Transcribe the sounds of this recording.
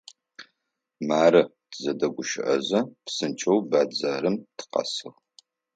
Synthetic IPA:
maːrɐ | tʰzɐdɐɡʷʊʃɪʔɐ̰zɐpsɨnt͡ʃʼɐwbaːd͡zaːɾɨmtʰɨ̥qɐ̰sɨʁ

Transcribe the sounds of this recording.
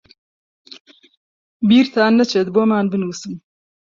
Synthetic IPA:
biːɾt̪ʰaːnːɐt͡ʃʰed̪boːmaːnbɨnuːsɨm

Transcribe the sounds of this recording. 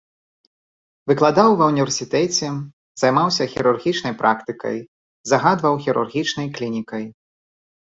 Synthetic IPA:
vɨklˠad̪awvɐwnʲivʲɛrsʲit̪ɛt͡sʲɛ | z̥ajmawsʲɐxʲiɾurɣʲit͡ʂnɐjpɾʔakt̪ɨkɐ̰j | zɐɣad̪vɐwxʲiɾṵrɣʲit͡ʂnɐjklʲinʲikɐj

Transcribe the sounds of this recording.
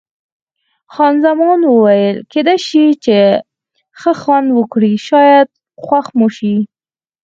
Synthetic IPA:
xɑnzamɑnwəwajəlked̪ajʃit͡ʃe | xəxwand̪wəkɽiʃɑjad̪̚ | xwaxmuʃi

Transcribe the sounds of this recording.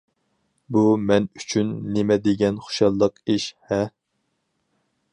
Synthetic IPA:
bumɛnyt͡ʃʰynːemɛd̪ɪɡʲɛnχo̥ʃɑlˠːəqiʃhɛ

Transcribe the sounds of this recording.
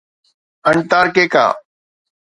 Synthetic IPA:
əɳt̪aːɾkeːka̰ː

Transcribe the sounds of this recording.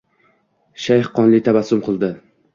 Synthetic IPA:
ʃajhqɒnlɪt̪ʰabasʊmqʰɨlˠd̪ɪ

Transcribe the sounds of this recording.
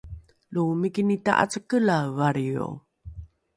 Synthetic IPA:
lumikinita̰ʔa̰t͡səkəlavaɾio̰

